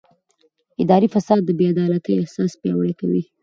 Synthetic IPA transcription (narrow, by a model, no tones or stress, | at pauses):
ɪd̪ɑɾifasɑd̪ːəbead̪ɑlat̪əjahsɑspjɑwəɽakawḭ